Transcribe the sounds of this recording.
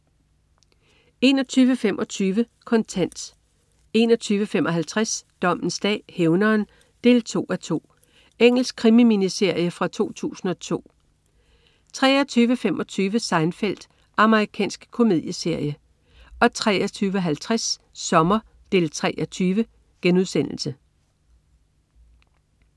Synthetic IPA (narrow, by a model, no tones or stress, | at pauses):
e̝nɒ̽t͡sʰyːʋəfemʔɒ̽t͡sʰyːʋə | kʰɒ̽nt͡sʰæn̰d̥ | e̝ːnɒ̽t͡sʰyːʋəfemʔɒ̽ɦælt͡sʰʁasd̥ɒ̽m̰n̩sd̥ɛ̰ːheʊnɐːn | d̥e̝ːlt͡sʰo̝̰ːæt͡sʰo̝̰ː | eŋ̰l̩sɡ̥̚kʰʁimiminise̝ɐ̰jəfʁɑ̈t͡sʰo̝̰ːt͡sʰṵːsn̩ɒ̽t͡sʰo̝̰ː | t͡sʰʁɛːɒt͡sʰyːʋəfemʔɒ̽t͡sʰyːʋəsɑ̈ɪnfel̰d̥ | ʔɑ̈məʁikʰɛ̰ːnsɡ̥kʰo̝me̝ð̰ˠjəse̝ɐ̰jə | ɒ̽t͡sʰʁɛ̰ːɒt͡sʰyːʋəɦælt͡sʰʁasː | ɒ̽mɐ | d̥e̝lt͡sʰʁɛʔɒt͡sʰyːʋə | ɡ̥enuð̞ˠsen̰l̩sə